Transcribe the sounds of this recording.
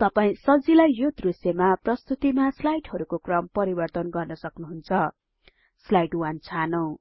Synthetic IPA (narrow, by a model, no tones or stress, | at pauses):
t̪ʌpaĩsʌd͡zilajjod̪rusjʌmaprʌst̪ut̪imaslajʈɦʌɾukokrʌmpʌɾibʌrt̪ʌnɡʌrnʌsʌknuɦunt͡sʰʌ | slajʈwant͡sʰanʌw̃